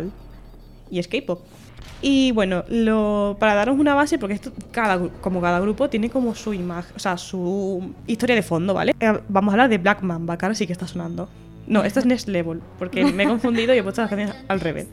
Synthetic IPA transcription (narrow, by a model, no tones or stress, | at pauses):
l | ie̞skejpo | iβwe̞nolopaɾaðaɾosunaβasep̬oɾkeest̪okaðaɣɾuko̞mokaðaɣɾupo̞t̪je̞neko̞mosuimaxoseasuist̪o̞ɾjaðe̞fo̞nd̪o̞βa̰lebamosaβlaɾðe̞βlakmãmbakaɾasikest̪asonãnd̪o̞ | no̞e̞st̪oeznesleβolpo̞ɾkemeeko̞ɱfund̪iðoiewost̪lakãnθjonsalre̞βḛs